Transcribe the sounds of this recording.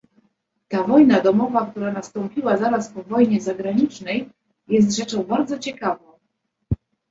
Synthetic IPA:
t̪avɔjnad̪ɔmɔvakt̪uɾanast̪ɔmpʲiwazaɾaspɔvɔjɲɛzaɡɾaɲit͡ʂnɛj | jɛs̬t̪ʐɛt͡ʂɔ̃w̃baɾd̪zɔt͡ɕɛkavɔ̃w̃

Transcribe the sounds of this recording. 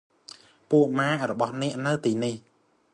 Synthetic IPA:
puəʔmaːʔrɔɓɑhnɛ̆əʔnɨwt̪iːnih

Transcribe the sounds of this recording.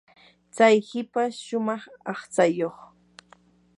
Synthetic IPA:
t͡sajhɪpaʃʊmɑχɑχt͡sajoχ

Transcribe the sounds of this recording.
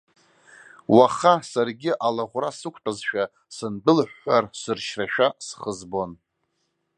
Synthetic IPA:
waχasarɡʲɪʔalaʁʷrasɨkʷʰʼtʼazʃᶣa | sɨnbɨlħʷarsɨrʃraʃᶣasχəzbo̞n

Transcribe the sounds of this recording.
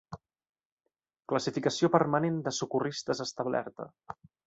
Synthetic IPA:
kləsifikəsiopəɾmənend̪əsukurist̪əzəst̪aβlɛ̰ɾt̪ə̰

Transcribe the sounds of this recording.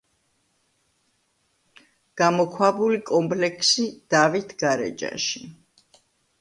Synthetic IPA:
ɡ̥amɔkʰwabulikʼɔmpʰʼlɛkʰsid̪̥avit̪ʰɡ̥aɾɛ̰d͡ʒa̰ʃi

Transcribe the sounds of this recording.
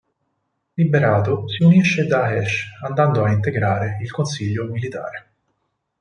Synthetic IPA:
libeɾaːt̪osiuniʃːed̪aɦɛʃand̪and̪oaint̪̬eɡɾaːɾeilkonsiʎːomilit̪a̰ːɾe

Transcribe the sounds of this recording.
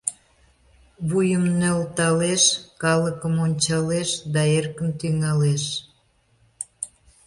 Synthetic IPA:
βujəmnølt̪ɑleʃkɑləkəmonʲt͡ɕɑleʃd̪ɑerkəmt̪yŋɑleʃ

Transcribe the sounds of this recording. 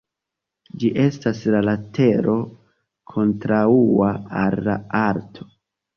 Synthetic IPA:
d͡ʒiʔe̞staslalate̞ɾo̞ | kʰo̞ntɾauaalːaaɾtʰo̞̥

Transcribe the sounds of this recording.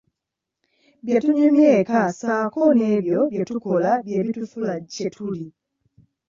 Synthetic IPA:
bjetuɲumjekasaːkoneβjobjetukolabjeβitufulacetʰuli

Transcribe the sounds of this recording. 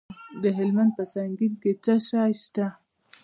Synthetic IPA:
d̪əɦɪlmand̪̚pəsaŋɡinket͡saʃɑjʃt̪a

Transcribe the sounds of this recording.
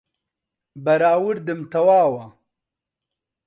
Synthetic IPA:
bɐɾaːwuɾd̪ɨmt̪ɐwaːwɐ

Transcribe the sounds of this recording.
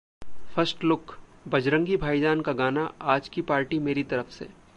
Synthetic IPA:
fɐɾsʈlʊkbɐd͡ʒɾə̃ŋɡibʱaːid͡ʒaːnkaɡaːnaaːd͡ʒkipaːɾʈimeːɾit̪ɐɾəfsḛː

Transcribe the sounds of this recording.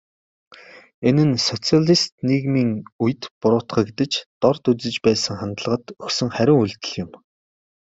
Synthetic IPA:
enɘ̆nsɔt͡siaɮist̪niɣmiːŋuj̆t̪pʊɾʊːt̪χœːɡet̪ɘ̆t͡ɕt̪ɔrt̪ut͡sɘ̆t͡ɕpæːsə̆ŋχant̪əɮə̆ʁə̆t̪ɵksɵ̆ŋχæɾʲɪ̆ŋuɮt̪ɘ̆ɮjʊm

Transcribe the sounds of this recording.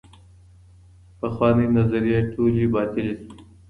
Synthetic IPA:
pəxwɑːninɐzaɾijeʈʰulibɑːt̪ɪlisi

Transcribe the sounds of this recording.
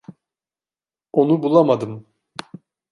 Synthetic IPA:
onubulˠamad̪ɯm

